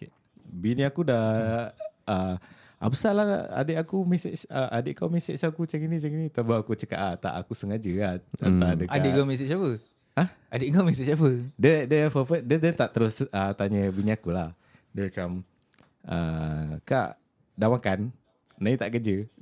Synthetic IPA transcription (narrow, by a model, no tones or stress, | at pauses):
biniakuda | ə | a̰bəsalaa̰dəʔakumeseʔsəʔadəʔkawmɛseʔsakut͡ʃəŋinit͡ʃəŋinit̪abaakut͡ʃəka̰ʔat̪a̰ʔa̰kusəŋad͡ʒəaənt̪adəʔaeʔkamɛs̬iʔsapə | ah | adeʔŋamɛs̬iʔt͡ʃapədədəfɔfədədət̪aʔt̪əɾʊsət̪aɲəbiniakulah | dəkam | ʔə̰ka̰ʔ | damakan | nait̪aʔkəd͡ʒə